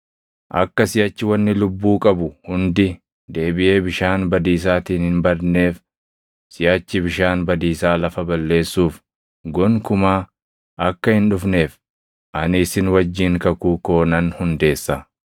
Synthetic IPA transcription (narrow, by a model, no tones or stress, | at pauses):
ʔɐ̰kːɐsɪjat͡ʃːɪwɐnːɪlʊbːuːkʼɐbʊhʊnd̪ɪ | d̪e̞ːbɪʔe̞ːbɪʃaːnbɐd̪iːs̬aːt̪iːnhɪnbɐɾne̞ːf | sɪjaːt͡ʃːɪbɪʃaːnbɐd̪iːsaːlɐfɐbɐlːe̞ːsːuːf | ɡɔŋkʊmaː | ʔɐkːɐhɪnᶑʊfne̞ːf | ʔɐnɪːsɪnwɐd͡ʒːɪŋkɐkuːko̞ːnɐnhʊnd̪e̞ːsːɐ